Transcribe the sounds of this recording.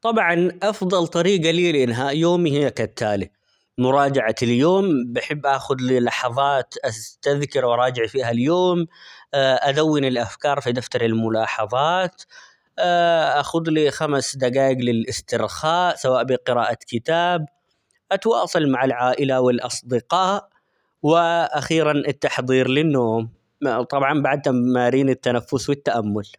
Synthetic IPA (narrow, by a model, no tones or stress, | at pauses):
t̪ˤɑbʕɑnʔɑfðˤɑlt̪ˤɑɾiːɡaliːlɪʔɪnːɦajoːmihɪjakat̪ʰːaːli | mʊɾˤɑːd͡ʒaʕaɪljoːmbaħɪbːʔaːxʊd̪liːlɑħɑðˤɑːt̪ʔast̪aðkɪɾwʔɑɾˤɑːd͡ʒɪʕfiːɦaljoːm | ʔad̪awːɪnɪlʔafkɑːɾˤfid̪aft̪ɑɾɪlmʊlɑːħɑðˤɑːt̪ː | ʔaxʊd̪lixamsd̪aɡaːjɪɡlɪlʔɪst̪ɪɾxaːʔsawaːʔbɪqɪɾaːʔakɪt̪aːb | ʔat̪wɑːsˤɑlmaʕalʕaːʔɪlawɪlʔɑsˤd̪ɪqɑːʔ | wɪʔaxiːɾanɪt̪ːaħðˤiːɾlɪnːoːm | t̪ˤɑbʕɑnbaʕd̪hamaːɾiːnɪt̪ːanafːʊswɪt̪ːaʔamːʊl